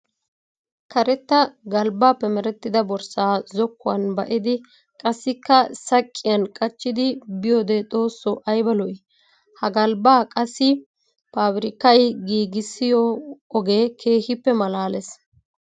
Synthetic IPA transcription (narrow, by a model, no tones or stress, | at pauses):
kɐɾɛt̪ːɐɡɐlbaːpːɛmɛɾɛt̪ːɪd̪ɐbɔɾsaːzɔkːʊwɐnbɐʔɪd̪ɪ | kʼɐsːɪkːɐsɐkʼːɪjɐnkʼɐt͡ʃːɪd̪ɪbɪjoːd̪et̪ʼo̞ːsːɔʔɐjbɐlɔj | hɐɡɐlbaːkʼɐsːɪ | paːbɾɪkːɐjɡiːɡɪsːɪjɔɔɡeːkʰe̞ːhɪpːɛmɐlaːlɛs